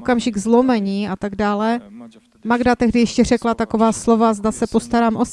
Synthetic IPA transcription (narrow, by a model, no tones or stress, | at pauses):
kamʒɪɡzlo̞mɛɲiːat̪aɡdaːlɛ | maɡdat̪ɛɦdɪjɛʃcɛr̝ɛklat̪ako̞vaːslo̞vazdasɛpo̞st̪aɾaːmʔos